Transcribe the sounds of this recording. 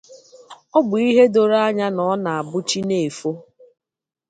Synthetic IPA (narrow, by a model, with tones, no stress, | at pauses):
ɔ˦ɡ͡bʊ˨i˦ɦe˦do˨ɾa˦a˦ɲa˦nɔ˨˦na˨a˨bʊ˦t͡ʃi˦ne˨e˨fo˦